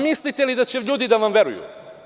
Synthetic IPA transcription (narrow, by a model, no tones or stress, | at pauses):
mislit̪ɛlid̪at͡ʃɛʎʲud̪id̪avamvɛɾujṵ